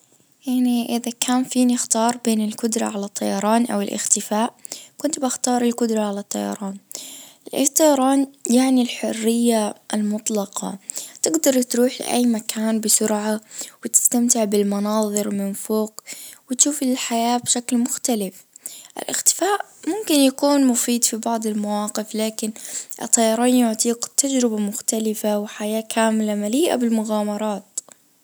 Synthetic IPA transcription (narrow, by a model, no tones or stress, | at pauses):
jaʕniʔɪðakʰaːnfiːnɪxt̪ɑːɾˤbeːnɪlkʊd̪ɾˤɑ̰ʕalat̪ˤːɑjɑɾˤɑːnʔa̰wɪlʔɪ̰xt̪ɪfaːʔkʊnt̪baxt̪ɑːɾˤɪlkʊd̪ɾˤɑʕalat̪ˤːɑ̰jɑ̰ɾˤɑːnʔɪlʔt̪ˤːɑjɑɾˤɑːnjaʕnilħʊrːɪjːaʔɪlmʊt̪ˤlɑqɑ̰t̪ɪɡd̪ɑɾˤt̪ɾuːħlɪ̰ʔa̰jːmakʰaːnbɪsʊɾʕawɪt̪ɪ̥st̪amt̪ɪʕbɪlmɑnɑːðˤɨɾmɪnfoːqwɪt̪ʃuːfɪlħajaːbʃaklmʊxt̪alɪf | ʔɪ̰lʔɪ̰xt̪ɪ̥faːʔ | mʊmkɪnjakuːnmʊfiːd̪fibɑʕd̪ˤɪlmawɑːqɪflaːkɪnʔɪ̰t̪ˤːɑjɑɾˤɑːnjʊʕt̪ˤiːqt̪ːad͡ʒɾɪbamʊxt̪alɪfawɪħajaːkʰaːmɪlamaliːʔa̰bɪlmʊɣaːmɑɾˤɑːt̪